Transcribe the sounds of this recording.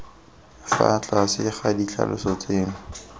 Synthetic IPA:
fa̰t͡ɬʼasɪχadiɬʰa̰lʊsʊt͡sʼeːŋʊ

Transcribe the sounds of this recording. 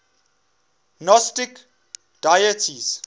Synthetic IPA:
nɔstɪk | d̥ajətʰiz̥

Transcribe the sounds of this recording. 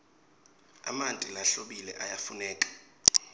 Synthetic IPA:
a̰mantʼilaɬoɓilɛʔajafunɛːkʼḁ

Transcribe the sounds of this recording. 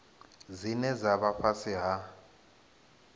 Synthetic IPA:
zinɛzaβaɸʰasiɦa

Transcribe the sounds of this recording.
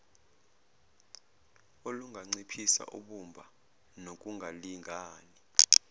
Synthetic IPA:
oluŋɡʱaŋ͡ǀipʰisa̰ʔṵɓumbʱa̰ | nok̬ʼuŋɡʱaliŋɡʱaːni

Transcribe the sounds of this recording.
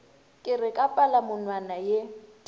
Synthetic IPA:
kʼɪrɪkʼapʼalamʊnwanaje

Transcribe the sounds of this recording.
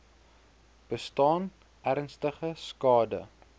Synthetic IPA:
b̥əstɑːn | æɾnstəχəskɑːdə̰

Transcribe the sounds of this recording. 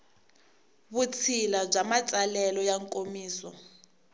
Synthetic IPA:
βut͡sʰilab͡ʐamat͡sʼalɛlɔjaŋkʼomiːsɔ̰

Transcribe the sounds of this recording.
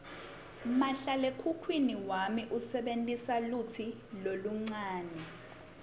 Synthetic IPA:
maɬalekʰukʰwiniwamiʔusɛɓentʼisalutʰi | loluŋ͡ǀaːnɛ

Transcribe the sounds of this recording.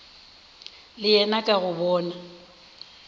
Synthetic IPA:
lɪjɛnakʼaɣʊbɔːna

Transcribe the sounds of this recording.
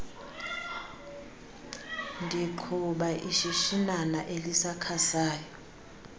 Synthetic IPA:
ndʱiǃʰuɓaʔiʃiʃinanaʔelisakʰasaːjɔ

